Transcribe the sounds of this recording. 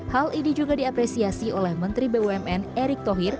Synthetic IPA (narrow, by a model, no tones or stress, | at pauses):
halinid͡ʒuɡadiapɾesiasiolɛhmənt̪ɾibeuɛmɛneɾɪk̚t̪oɦir